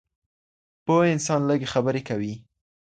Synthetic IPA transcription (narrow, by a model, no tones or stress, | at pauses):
pəɪnsɑnləɡexabəɾekawi